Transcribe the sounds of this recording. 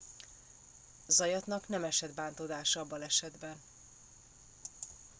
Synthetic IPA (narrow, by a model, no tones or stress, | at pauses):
zɒjɒt̪nɒknɛmɛʃɛd̪baːnt̪od̪aːʃɒɒbːɒlɛʃɛd̪bɛn